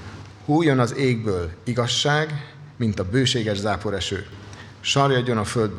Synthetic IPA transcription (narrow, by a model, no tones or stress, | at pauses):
huːjonɒzeːɡ̚bøːliɡɒʃːaːɡ | mint̪ɒbøːʃeːɡɛʒzaːpo̞ɾɛʃø̰ː | ʃɒrjɒɟːo̞nɒføld̪̚b